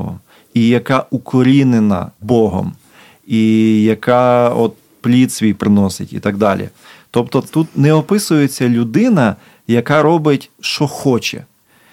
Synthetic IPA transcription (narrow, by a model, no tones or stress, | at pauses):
ɔ̰ | ijɐkɑʔukɔɾʲinenɐ̰bɔɦɔ̰m | ijɐkɑɔt̪̚ | plʲit̪sʲʋʲijpɾɪnɔsɪtʲḭt̪ɑɡd̪ɑlʲʔḭ | t̪ɔpt̪ɔt̪ut̪nɛɔpɪsʊjet͡sʲːɐlʲʊd̪ɪnɐ | jɐkɑɾɔbɪtʲʃɔxɔt͡ʃɛ̰